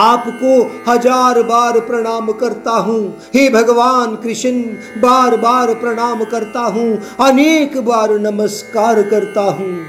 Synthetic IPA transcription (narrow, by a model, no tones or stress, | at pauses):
aːpkohɐd͡ʒaːɾbaːɾpɾɐɽ̃aːmkɐɾt̪aɦũː | ɦeːbʱɐɡʋaːnkɾɪʃən | baːɾbaːɾpɾɐɽ̃aːmkɐɾt̪aɦũːɐneːkbaːɾnɐməskaːɾkɐɾt̪aɦũː